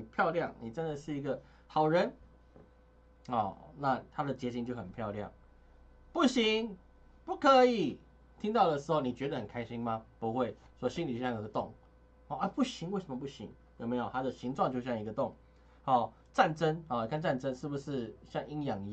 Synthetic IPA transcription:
pʰjɑ˥˧ʊljɑ˥˨ŋni˨˩ʈ͡ʂə˦nd̪ə˨ʂɻ̩˥˩i˧˥ɡə˨ | xɑ˨˩ʊɻə˧˦˥n | ɔ˥˨˩na˥˨t̪ʰa˥d̪ə˨t͡ɕjɛ˧˥t͡ɕʰi˧˥ŋt͡ɕjo˥˩ʊxə˨˩npʰjɑ˥˧ʊljɑ̰˥˨˩ŋ | pu˥˩ɕi˧˥ŋ | pu˥˩kʰə˧˦i˨˩ | t̪ʰi˦˥ŋt̪ɑ˥˩ʊd̪ə˩ʂɻ̩˧˥xo˥˩ʊni˨˩t͡ɕɥɛ˧˥d̪ə˧hə˨˩nkʰa˥ɪɕi˦ŋma˧pu˧˦xwe˥˩ɪ | ʂwɔ˥ɕi˦nli˨˩o˥˧ɕjɑ˥˩ŋjo˨˧ɡə˧t̪ʊ˥˨˩ŋ | ɔ˥˧˩a˥˩pu˥˩ɕi˧˥ŋwe˥˩ɪʂə˨˦mə˧p̬u˥˩ɕḭ˧˦ŋ | jo˨˩me˧˥ɪjo˨˩ʊt̪ʰa˦d̪ə˨ɕi˧˥ŋʈ͡ʂwɑ˥˧ŋt͡ɕjo˥˧ɕjɑ˥˩ŋi˧˥ɡə˧t̪ʊ˥˨˩ŋ | hɔ˥˩ | ʈ͡ʂa˥˩nʈ͡ʂə˦nxɔ˨˩˨ni˨˩kʰa˥˧nt͡sa˥˨˩nʈ͡ʂə˦nʂɻ̩˥˩bu˩ʂɻ̩˥˧ɕjɑ˥˧ŋi˦ŋjɑ˨˩ŋ

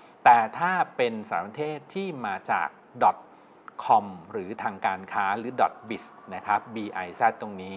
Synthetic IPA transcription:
t̪ɛː˨˩t̪ʰaː˥˩pe˧nsa̰ː˩˦pɾa˧t̪ʰeː˥˩t̪ʰːiː˥˩maː˧t͡ɕa̰ː˨˩k̚dɔ˨˩t̪̚ | kʰɔ˧mɾɯː˩˦t̪ʰaː˧ŋkaː˧nkʰaː˦˥ɾɯː˩˦dɔ˨˩t̪̚bi˨˩sna˦˥kʰɾa˦˥p̚biː˧ʔa˧jsɛ˦˥˩t̪ːo˧ŋniː˦˥

